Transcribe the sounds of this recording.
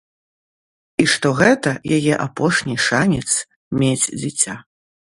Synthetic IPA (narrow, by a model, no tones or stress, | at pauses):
iʂt̪ɔɣɛt̪ɐjajɛʔapɔʂnʲiʂanʲɛt̪s | mʲed͡zʲd͡zʲit͡sʲa